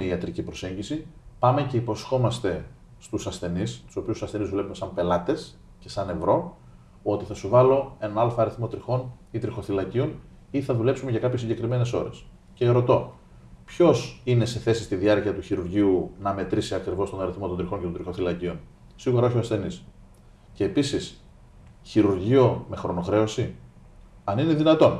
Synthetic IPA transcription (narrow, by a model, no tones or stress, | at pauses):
iɐt̪ɾicipɾo̞se̞ɲɟisipɐme̞ce̞ipo̞sxo̞mɐst̪e̞ | st̪usɐsθe̞nist̪u̥so̞piusoɐsθe̞nizvule̞pume̞sɐmpe̞lɐt̪e̞s | ce̞sɐne̞vɾo̞ | o̞t̪iθɐsuvɐlo̞e̞nɐnɐlfoɐɾiθmo̞t̪ɾixo̞nit̪ɾixo̞θilɐcion | iθɐðule̞psumeʝɐkɐpçes̬iɲɟe̞kɾime̞ne̞so̞ɾe̞s | ce̞ɾo̞t̪o̞ | pço̞sine̞se̞θe̞si̥st̪iðiɐɾciɐt̪uçiɾuɾʝiunɐme̞t̪ɾisiɐkɾivo̞st̪o̞nɐɾiθmot̪od̪ɾixo̞ncet̪od̪ɾixoθilɐcion | siɣuɾɐoçioɐsθe̞nis | ce̞ːpisis | çiɾuɾʝio̞me̞xɾo̞noxɾe̞o̞si | ɐnine̞ðinɐt̪o̞n